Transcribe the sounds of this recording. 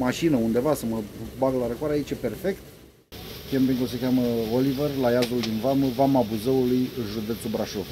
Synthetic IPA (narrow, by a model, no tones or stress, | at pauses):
maʃinəund̪e̞vasəməbaɡəlaɾəkoaɾeait͡ʃepe̞rfe̞kt̪̚ | kʲempiŋkəos̬əkʲaməolivərlajazuld̪invaməvamabuzəulujʒud̪e̞t̪subɾaʃov